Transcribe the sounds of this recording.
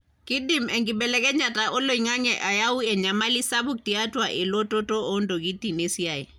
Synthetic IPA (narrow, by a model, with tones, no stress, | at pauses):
ki˦dimɛŋɡi˨bɛ˨lɛkɛ˦ɲa˨taʔo˦lo˨i˨ŋa˦ŋɛʔa˨ja˦u˦ɛ˨ɲamali˦sabu˦k̚tiatwaʔe˨lo˦to˦to˦o˦ndo˨ɡi˦ti˨ne˦sja˨e˨